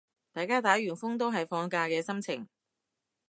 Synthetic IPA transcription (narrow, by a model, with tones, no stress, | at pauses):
t̪aː˨jkaː˥t̪aː˨˥jɥyː˨˩nfʊ˥ŋt̪̬o˥wɦɐ˨jfɔː˧ŋkaː˧kɛː˧sɐ˥mt͡sʰɪ˨˩ŋ